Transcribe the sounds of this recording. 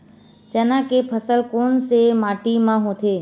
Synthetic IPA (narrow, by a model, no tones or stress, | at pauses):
t͡ʃənãkepʰəsəlkoːnsemaːʈimãɦõt̪ʰeː